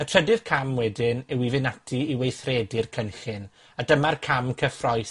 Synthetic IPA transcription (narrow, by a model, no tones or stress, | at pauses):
ətʰr̥ədɪð̥kʰamwɛdɪnɛwivɪnatʰiiwejθrɛːdɪrkʰənɬɪn | adəmarkʰamkʰəfrɔjθ